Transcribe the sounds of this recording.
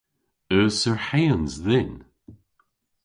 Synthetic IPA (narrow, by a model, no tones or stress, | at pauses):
œːsəɹhejənzðɪn